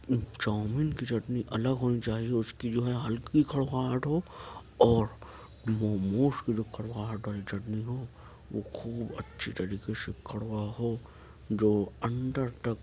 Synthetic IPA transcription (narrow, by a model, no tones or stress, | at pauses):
t͡ʃaːmɪnkit͡ʃɐʈniʔɐləɡɦoːnit͡ʃaːɦiɛʊskid͡ʒoːɦɛɦɐlkikʰɐɽɡaːʈɦoːɔːɾ | mɔːmoːʃkid͡ʒoːkʰɐɽɣaːəʈʰʋaːlid͡ʒɐʈniɦoː | ʋo̰xʰuːbɐ̰tːʃʰit̪ɐɾiːkesekʰɐɽwaɦo | d͡ʒoːɐ̃nɖəɾt̪ɐk